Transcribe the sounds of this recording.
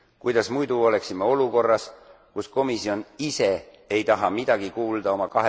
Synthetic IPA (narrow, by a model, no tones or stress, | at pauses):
kujd̪̥ɑsmujd̪uo̞le̞ksimːeo̞luko̞rːɑs | kusko̞misio̞nise̞ | ejt̪ɑɦɑmid̪̥ɑɡ̥ikuːld̪̥ɑo̞mɑkɑɦe